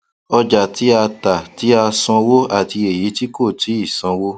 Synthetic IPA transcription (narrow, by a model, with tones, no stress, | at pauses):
ɔ˧d͡ʒa˨ti˨˦a˧ta˨ti˨˦a˧sɔ̃˧wo˦a˦˨ti˧e˨ji˨˦ti˦ko˦˨tʰi˨˦i˦˨sã˧wo˦